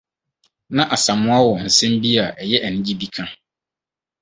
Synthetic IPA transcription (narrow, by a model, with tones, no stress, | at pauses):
nã˦ʔa˨sã˨mʊ̃˦a˦wɔ˨n̩˨sɛ̃˦m˦bi˦a˨ʔɛ˨jɛ˦ʔæ˨nɪ̃˦d͡ʑi˦bi˦kʰã˦